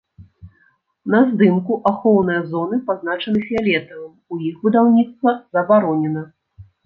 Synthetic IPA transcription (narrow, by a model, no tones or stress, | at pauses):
nɐzd̪ɨmkuʔaxɔwnɨjɐzɔnɨpaznat͡ʂɐnɨfʲialʲɛt̪ɐvɐmujixbɨd̪awnʲit̪st̪vɐzɐbaɾɔnʲɛnɐ